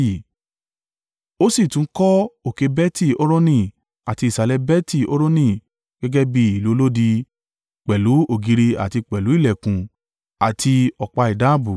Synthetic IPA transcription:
o˦si˦˨tũ˨˦kɔ˦o˨ke˧bɛ˦ti˦˨o˦ɾo˦nĩ˦˨ | a˨ti˧˦i˨sa˨˧lɛ˧bɛ˦ti˦˨o˦ɾo˦nĩ˦˨ | ɡ̥ɛ˦ɡɛ˦bi˦i˨lu˨˦o˦lo˦di˧ | k͡pɛ˨lu˨˦o˦˨ɡi˧ɾi˧a̰˨ti˧k͡pɛ˨lu˨˦i˦˨lɛ˨kũ˨ | a˨tʰi˧ɔ˨k͡pa˧i˨da˦˨bu˨

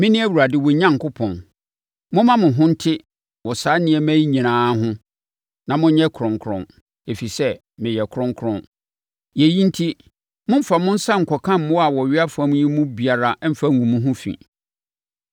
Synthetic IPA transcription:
mɪ̃˦nɪ̃˦æ˦wu˨ɾa˨dɪ˨wɔ˨ɲã˦ŋ˨kʊ˦pʰɔ̃˨n | mʊ̃˦mã˦mʊ̃˨ɦʊ̃˦n̩˦tʰɪ˦ | wɔ˨saː˨˦nɪ̃˨˦ɛ˨mæ̃˦ɲĩ˨nãː˨˦ɦʊ̃˦ | nã˨mʊ̃˦ɲɛ˦kʰɾʊ̃˨ŋ˨kʰɾʊ̃˨ | e˨fi˨sɛ˦ | mɪ̃˨jɛ˨kʰɾʊ̃˦ŋ˦kʰɾʊ̃˦n | je˨jĩ˦n̩˦tʰi˦ | mʊ̃˦m̩˦fa˨mʊ̃˦n̩˦sa˦ŋ̩˨kʰɔ˨kʰã˦m̩ː˨˦ʊ̃˦a˨wɔ˨ɥɪ˦a˦fã˦m̃˦ɲĩ˦mũ˦bi˨a˨ɾa˨˦m̩˦fa˦ŋũ˨mũ˦ɦʊ̃˦fḭ̃˨

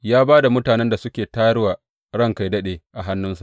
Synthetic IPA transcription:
jaː˦baː˦da˨mʊ˦taː˨nɛ˦nda˨sʊ˦kʲeː˨taː˦ɽwaː˨ | ɽɐ˦ŋka˨jdɐ˦ɗeː˨ʔa˨ɦa˦nːʊ˦nsa˨ʔ

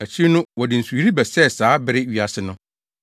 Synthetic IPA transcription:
æ˨t͡ɕʰi˦nʊ̃˦wɔ˨dɪ˨n̩˨su˨˦ɾi˦bɛ˨sɛ˦˨saː˨˦bɪ˦ɾɪ˦ɥi˨a˨sɪ˨nʊ̃˦

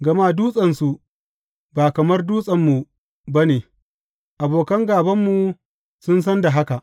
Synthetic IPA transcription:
ɡɐ˨ma˦duː˦sʼɐ˨nsu˨ | baː˨kɐ˨mɐ˦rduː˦sʼɐ˨mːu˨ | ba˦neː˨ | ʔa˨boː˨kɐ˦ŋɡaː˨bɐ˦mːu˨ | sʊ˦ns̬ɐ˦nda˨ɦa˦ka˨ʔ

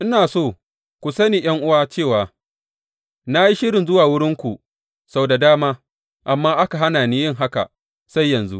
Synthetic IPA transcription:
ʔɪ˦naː˨soː˦˨ | kʷu˨sɐ˦niː˨j̰ɐ˦ŋʔʊ˦waː˦t͡ʃeː˦˨waː˨ | na˦ji˦ʃɪ˦ɾɪ˨nzʊ˦waː˨wʊ˦ɽɪ˦ŋkʷu˨ | sa˦bda˨daː˦maː˦ | ʔa˨mːaː˦ʔa˦ka˨ɦa˦naː˨niː˦jɪ˦ŋɦa˦ka̰˨ | sa˦jːɐ˨nzṵ˦ʔ

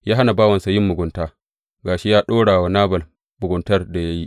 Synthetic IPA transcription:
jaː˦ɦa˦na˨baː˦wɐ˨nsa˨jɪ˦mːʊ˨ɡʷʊ˨ntaː˦ | ɡaː˨ʃi˦jaː˦ɗoː˦ɽaː˨wa˦naː˦bɐ˨l | bʊ˨ɡʊ˨ntɐ˦rda˨ja˦ji˦ʔ

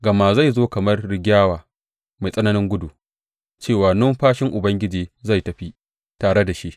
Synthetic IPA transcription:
ɡɐ˨ma˨za˦˨jzoː˦kɐ˨mɐ˦rɽɪ˨ɡʲaː˦waː˨ | ma˨jsʼɐ˦nɐ˦nɪ˦ŋɡʷʊ˦du˨ | t͡ʃeː˦˨waː˨nɔ˦mɸaː˦ʃɪ˦ŋʔʊ˨bɐ˦ŋɡʲɪ˦d͡ʒiː˨za˦˨jtɐ˨ɸi˦ | taː˨ɽe˦da˨ʃi˦ʔ

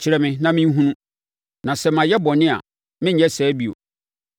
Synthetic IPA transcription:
t͡ɕʰɪ˨ɾɛ˨mɪ̃˦nã˦mɪ̃˦ɦũ˦nũ˦ | nã˨sɛ˦mã˨jɛ˦bɔ˨nɪ̃˦a̰˨ | mɪ̃˦ɲ˦ɛ˦sɛː˨˦bi˦o̰˨

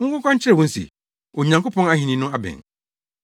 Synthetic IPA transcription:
ŋ̩˦kʊ˦kʰɔ̃˦ɲ̩˦t͡ɕʰɪ˦ɾɛ˨wɔ̃˦n̩˦sḭ˨ | o˨ɲã˨ŋko˦pʰɔ̃˦ŋa˦ɦĩ˨nĩ˦nʊ̃˦a˦bɛ̰̃˨n

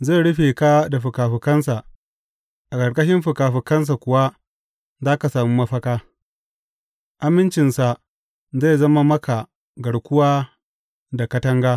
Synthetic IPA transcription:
ze˦˨ɽʊ˦ɸe˨kaː˦da˨ɸʊ˨kaː˨ɸɪ˨kɐ˦nsa˨ | ʔa˨kɐ˨ɽkʼɐ˦ʃɪ˦mɸʊ˨kaː˨ɸɪ˨kɐ˦ns̬a˨kʷʊ˨wa˦ | zaː˦ka˨saː˨mi˦mɐ˦ɸɐ˦kaː˦ | ʔa˨mɪ˦nt͡ʃɪ˨nsa˨ | ze˦˨zɐ˦ma˦mɐ˦kʰa˨ | ɡɐ˨ɽkʷʊ˦waː˦ | da˨kɐ˦tɐ˦ŋɡaː˦

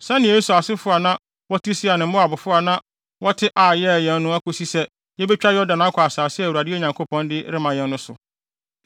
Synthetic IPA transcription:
sɛ̃˦nɪ̃˨e˦su˨a˨sɪ˦fʊ˦a˨nã˦ | wɔ˦tʰi˦si˦a˨nɪ̃˨m̩˦ʊ̃˦a˨bʊ˨fʊ˦a˨nã˦ | wɔ˦tʰɪ˦ʔaː˨jɛ˦˨jɛ̃˨nː˦ʊ̃˦æ˦kʰo˦si˦sɛ˦ | jɛ˦bɛ˦t͡ɕᶣa˦jɛ˦ɔ˦dã˨nã˨˦kʰɔ˨a˨saː˨sɪ˦˨wu˨a˨dɪ˦ɛ˦˨ɲã˨ŋkʰo˦pʰɔ̃˦ndɪ˦ɾɪ˦mã˨jɛ̃˦n˦nʊ̃˦sʊ̰˨

